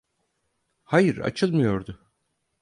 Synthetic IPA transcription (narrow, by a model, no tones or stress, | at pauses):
hajɯɾa̰t͡ʃʰɯlˠmɯjo̞ɾd̪ʊ